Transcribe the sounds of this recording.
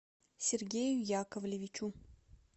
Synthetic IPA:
sʲerɡʲejʊjakəvlʲɪvʲɪt͡ʃu

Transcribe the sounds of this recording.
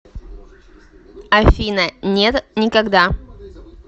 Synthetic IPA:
ɐfʲinənʲet̪nʲɪkɐɡd̪a

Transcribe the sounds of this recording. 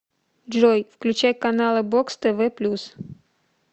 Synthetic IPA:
ʐojfklʲʉt͡ɕæjkɐnalˠɨbokst̪ɛvɛplʲus

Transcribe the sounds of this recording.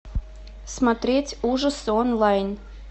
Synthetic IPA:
smat̪ɾʲetʲuʒəsonlˠɑjn

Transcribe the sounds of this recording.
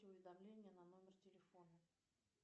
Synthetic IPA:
ɪʊvʲɪd̪ɐmlʲenʲɪjənɐno̞mʲɪrtʲɪlʲɪfo̞nə

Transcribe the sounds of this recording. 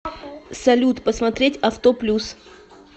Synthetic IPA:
sɐlʲut̪pəsmɐt̪ɾʲetʲɐft̪oplʲus

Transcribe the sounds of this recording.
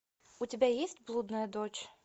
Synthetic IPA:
utʲɪbʲajesʲtʲblˠud̪nɐjɐd̪ɔt͡ɕ

